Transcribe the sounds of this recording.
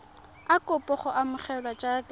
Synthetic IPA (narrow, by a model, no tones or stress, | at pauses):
akʼʊpʼɔχʊʔamʊχɛlwat͡ʃʼak